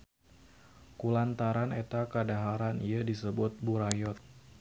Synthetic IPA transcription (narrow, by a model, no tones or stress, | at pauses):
kulant̪aɾanet̪akadaɦaɾaniadisəbʊt̪̚buɾajɔt̪̚